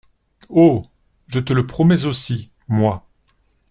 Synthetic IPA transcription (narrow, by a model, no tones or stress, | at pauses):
o | ʒət̪ələpχɔmɛzosi | mwa